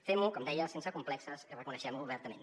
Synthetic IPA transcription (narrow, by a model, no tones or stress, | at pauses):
femukɔmd̪ɛjəsensəkumplɛksəsərəkunəʃɛmuːβɛɾt̪əmḛn